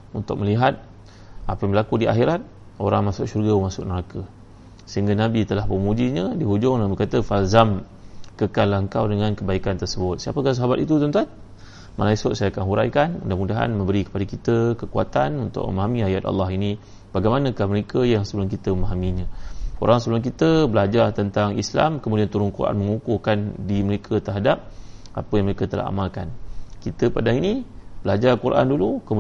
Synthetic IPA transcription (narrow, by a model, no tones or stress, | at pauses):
unt̪ʊk̚məliɦat̪̚ | apəməlakudiʔa̰xiɾat̪̚ | oɾaŋmasʊk̚ʃurɡəmasʊk̚nəɾakə | səɦiŋɡanabit̪əlahpəmud͡ʒiɲə̃diɦud͡ʒʊŋnabəkat̪əfalzamkəkanlahəŋkawdəŋankəbaikant̪ərsəbʊt̪̚siapəkas̬aɦabat̪it̪ut̪̬unt̪an | malaisʊt̪̚sajaakanɦuɾa̰jkanṵndaəmudaɦa̰nmə̃mbəɾikə̥padakit̪əkəkua̰t̪anunt̪ʊ̰k̚mə̰maɦamĩajat̪̚a̰lːɑɦini | b̥aɡajmanakahməɾekʰəjaŋsəbəlʊnkit̪əməmaɦamiɲão̰ɾaŋsəbəlʊnk̬it̪əbəlad͡ʒart̪ənt̪aŋḭsla̰mkəmudiant̪uɾʊnkurʔa̰nməŋukukandiməɾekʰət̪əɦadap̚ | ʔapəjaŋməɾekət̪əla̰ɦa̰malka̰nkit̪əpadaɦinib̥əlad͡ʒarkuɾʔa̰ndulukəmu